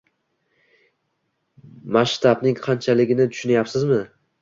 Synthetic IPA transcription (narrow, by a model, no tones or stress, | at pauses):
maʃt̪ʰabnɪŋqʰɑnt͡ʃʰalɪɡʲɪnɪt̪ʰʊ̥ʃʊnajapsɪzmɪ